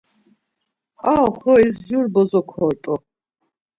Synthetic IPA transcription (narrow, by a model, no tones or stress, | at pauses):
awχɔizʒuɾbɔzɔkʰɔɾt̪ʼɔ